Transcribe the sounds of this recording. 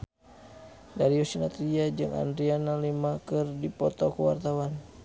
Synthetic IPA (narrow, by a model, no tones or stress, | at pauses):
daɾiɔsinat̪ɾiad͡ʒɨŋʔa̰ndɾianalimakɨrdipɔt̪ɔkuwa̰rt̪awan